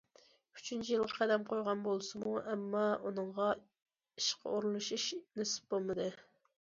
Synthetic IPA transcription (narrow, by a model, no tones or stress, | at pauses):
y̥t͡ʃʰynt͡ʃʰijɪlˠʁqʰæd̪ɛmqʰojʁɑnbolˠsɨmuʔɛmːɑunɨŋʁɑ | iʃqʰə̰oɾulˠuʃiʃnesɪ̥p̚b̥olˠmɨd̪ɨ